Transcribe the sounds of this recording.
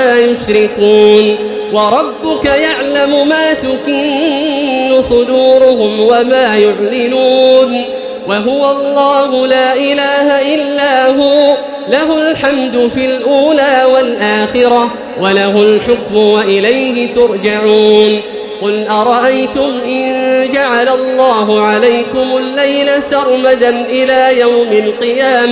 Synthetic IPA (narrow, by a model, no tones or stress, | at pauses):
aːjʊʃɾɪkuːn | wɑɾˤɑbːʊkajaʕlamʊmaːt̪ʊkɪnnːʊsˤʊd̪uːɾʊɦʊmwamaːjʊʕlɪnuːn | waɦʊwaɑlˤːɑːɦʊlaːʔɪlaːhaʔɪlːaːɦuː | laɦʊlħamd̪ʊfilʔuːlaːwalʔaːxɪɾɑ | walaɦʊlħʊkmʊwaʔɪlajhɪt̪ʊɾˤd͡ʒaʕuːn | qʊlʔɑɾˤɑʔajt̪ʊmʔɪnd͡ʒaʕalalˤːɑːɦʊʕalajkʊmʊlːajlasɑɾˤmad̪anʔɪlaːjawmɪlqɨjaːma